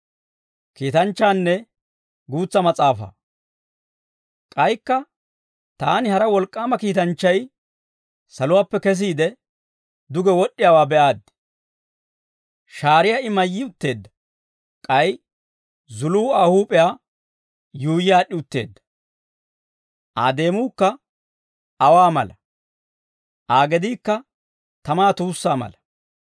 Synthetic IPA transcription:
kiːt̪ɐnt͡ʃːaːnːɛ | ɡuːt͡sːɐmɐt͡sʼaːfɐ̰ | kʼɐjkːɐ | t̪aːnɪhɐɾɐwɔlkʼːaːmɐkiːt̪ɐnt͡ʃːɐj | sɐlʊwaːpːɛkɛs̬iːd̪ɛ | d̪ʊɡɛwɔɗːɪjaːwaːbɛʔaːd̪ | ʃaːɾɪjaːɪmɐjːiʊt̪ːe̞ːd̪ːɐ̥ | kʼɐj | zʊluːahuːpʼɛjaː | juːjɪjaːɗːɪʊt̪ːe̞̰ːd̪ːɐ̥ | ʔa̰ːd̪e̞ːmuːkːɐ | ɐwaːmɐ̰lɐ | ʔaːɡɛd̪iːkːɐ | t̪ɐmaːt̪uːsːaːmɐ̰lɐ

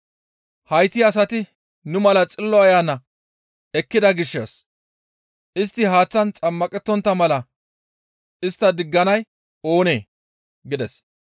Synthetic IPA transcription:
hɐjt̪ɪɐs̬ɐt̪ɪ | nʊmɐlɐt͡sʼɪlːɔɐjaːnːɐ | ɛkːɪd̪ɐɡɪʃːḛs | ʔɪst̪ːɪɦaːt͡sːɐnt͡sʼɐmːɐkʼɛt̪ːɔnt̪ːɐmɐlɐ | ɪst̪ːɐd̪ɪɡːɐnɐj | o̞ːne̞ː | ɡɪd̪ɛs

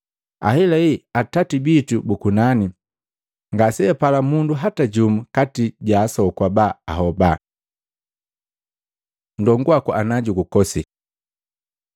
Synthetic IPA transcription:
a̰hɛlaiatatibitubukunani | ŋɡasɛɛpalamunduɦataɟumukatiɟaːsɔkwabaaɦɔba | ndɔŋɡuakuʔanaɟukukɔsi

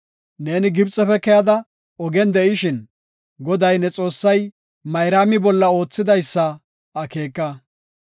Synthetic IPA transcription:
ne̞ːnɪɡɪbt͡sʼɛfɛkɛjɐd̪ɐ | ɔɡɛnd̪ɛʔɪʃɪn | ɡɔd̪ɐjnɛt͡sʼo̞ːsːɐj | mɐjɾaːmɪbɔlːɐo̞ːt͡sːɪd̪ɐjsːɐ | ɐke̞ːkːɐ

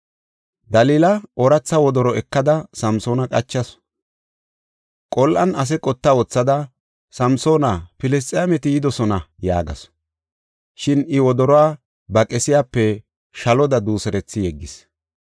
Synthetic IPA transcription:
d̪ɐliːlɐɔɾɐt͡sːɐwɔd̪ɔɾɔɛkːɐd̪ɐsɐmso̞ːnɐkʼɐt͡ʃːɐs | kʼɔlʔɐnɐs̬ɛkʼɔt̪ːawɔt͡sːɐd̪ɐ | sɐmsoːnapɪlɛs̬t̪ʼɪjamɛt̪ɪjɪd̪ɔsɔnɐja̰ːɡɐ̰s | ʃɪnɪwɔd̪ɔɾɔwaː | bɐkʼɛsɪjaːpːɛ | ʃɐlɔd̪ɐd̪uːsɛɾɛt͡sːɪjɛɡːɪs

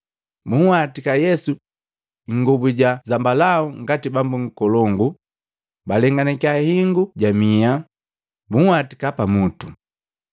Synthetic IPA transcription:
muhwatikajɛsu | ŋɡubuɟazambalauŋɡatibambuŋ̩kɔlɔŋɡu | balɛŋɡanɛkiahiŋɡuɟamia | muwati̥kapamutu̥

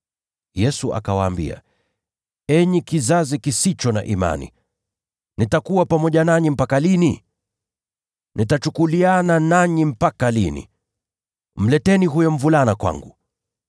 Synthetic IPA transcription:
jɛsuʔa̰kawaːmbḭa̰ | ɛɲikizazikisit͡ʃɔna̰ʔima̰nḭ | nitakuwapamɔʄanaɲim̩pakalini | nʔitat͡ʃukuliananaɲim̩pakalinḭ | m̩lɛtɛniɦujɔm̩vulanakwa̰ŋɡu

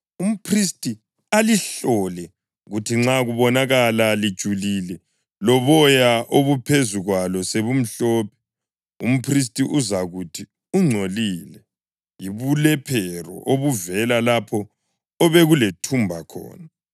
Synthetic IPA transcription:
um̩pʰristʼi | aliɬɔlɛ | ɣutʰiŋ͡ǁaɣuβɔnaɣalalid̥ʒ̥ʱulilɛ | lɔβɔjaʔoβupʰezuɣwalɔseβum̩ɬɔːpʰɛ̥ | um̩pʰris̬tʼiʔuzaɣutʰi | uŋ͡ǀʱoliːlɛ | jiβulɛpʰɛrɔ̰ʔoβuvɛlalapʰɔː | βɛɣuletʰumbʱakʰɔ̰ːna

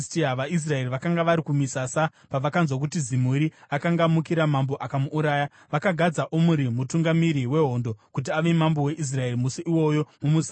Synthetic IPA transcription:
tiaʋaʔis̬rae̞riʋakaŋɡaʋaɾikumisasa | paʋakanzwok̬utizimuɾiakaŋɡamukiɾamambo̞ʔakamuːɾaːja | ʋakaɡʱad͡zaʔomuɾimutuŋɡamiɾiwe̞ɦo̞ːndo̞kut̬iaʋe̞mambo̞we̞ʔis̬rae̞rimusiʔiwo̞jo̞mumus

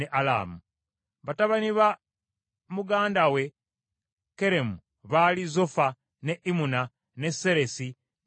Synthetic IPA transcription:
eʔala̰ːmu | βataβaniβa | muɡaːndawe̞ | ke̞ɾe̞mu | βalizofa | ne̞ʔimuna | ne̞se̞ɾe̞si

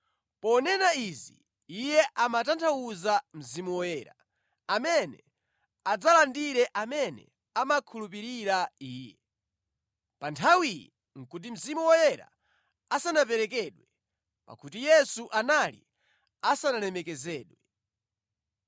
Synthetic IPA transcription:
pɔnɛnaizi | ijɛʔamatantʰauzam̩zimuwɔjɛɾa̰ | amɛnɛ | ad͡zalandiɾɛʔamɛnɛ̰ | amakʰulupiɾiɾaiːjɛ | pantʰawijɛ | ŋ̩kut̬im̩zimuwɔjɛɾa̰ | asanapɛɾɛkɛɗwɛ | pa̰kutijɛsuʔanalḭ | asanalɛmɛkɛzɛːɗwɛ

